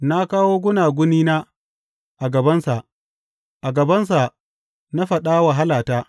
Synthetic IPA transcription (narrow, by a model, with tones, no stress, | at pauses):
na˦kaː˦woː˦ɡʷʊ˦naː˨ɡʷʊ˦niː˦naː˦ | ʔa˨ɡɐ˨bɐ˦nsa˨ʔ | ʔa˨ɡɐ˨bɐ˦ns̬a˨ | na˦ɸɐ˨ɗa˦wa˨ɦa˦laː˨taː˦